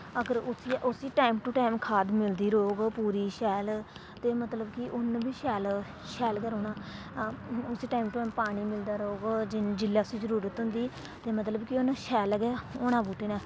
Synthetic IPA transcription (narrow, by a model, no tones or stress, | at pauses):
əɡəɾʊsiːʔʊsiːʈaːɪmʈuʈaːɪmkʰaːd̪mɪld̪iːɾoːɡpuːɾiːʃɛːl | t̪eːmət̪ləbkɪʔʊnbiːʃɛːl | ʃɛːlɡɛːɾoːnaː | ʊsiːʈaːɪmʈʊaːmpaːɽ̃iːmɪld̪aːɾoːɡd͡ʒɪnd͡ʒɪlːaːʊsiːzəɾuːɾət̪ɦʊ̃nd̪iː | t̪eːmət̪ləbkɪʊnʃɛːlɡɛːoːnãːbuːʈeːnaː